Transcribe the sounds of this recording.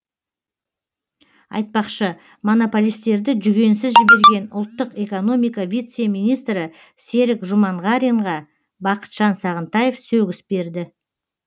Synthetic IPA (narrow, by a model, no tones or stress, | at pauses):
ɑ̰jt̪̚pɑqʃə | mo̞no̞polʲijst̪e̞ɾd̪ɪʒʏɡʲe̞nsɪzʒɪbe̞ɾɡʲe̞nʊ̰lˠt̪ːəqe̞ko̞no̞mijkɑvʲijt̪semijnijst̪ɾɪ | se̞ɾɪkʒʊmɑɴʁɑɾiɴʁɑ | bɑqə̥t̪ʒ̥ɑnsɑʁənt̪ɑje̞fsɵɡʲɪsbe̞ɾd̪ɪ